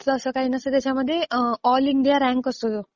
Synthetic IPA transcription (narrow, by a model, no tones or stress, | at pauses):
sɔːsəkainəsət̪at͡ɕaməd̪ʱːjeɔːliɳɖijaɾɛ̃ŋkəst̪ot̪o